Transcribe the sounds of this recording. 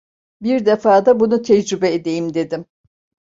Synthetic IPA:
biɾd̪efaːd̪abunut̪ʰɛd͡ʒɾybɛed̪e̞jimd̪e̞d̪im

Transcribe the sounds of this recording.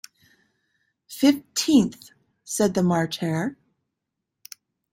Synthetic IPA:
fɪftʰĩnθ | sɛd̪̚ðəmɑɹt͡ʃʰɛɹ

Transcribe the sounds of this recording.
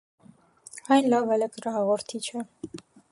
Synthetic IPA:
ɑjnlɑvɛlɛk̪ɾɑɦɑʁɔɾt̪ʰit͡ʃʰə

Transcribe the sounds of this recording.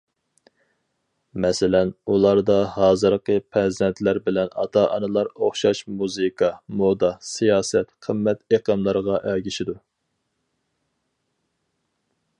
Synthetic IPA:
mɛsɪlɛnulˠɑɾd̪ɑhɑːzɨɾqəpʰɾɛzd̪ɛnt̪ʰlæɾbɪlɛnɑ̰t̪ʰɑʔɑ̰nɨlˠɑɾoχʃɑʃmuzɨkʰɑmod̪ɑsijɑːsɛt̪qʰəmːɛt̪eqəmlˠɨɾʁɑʔɡʲiʃid̪u

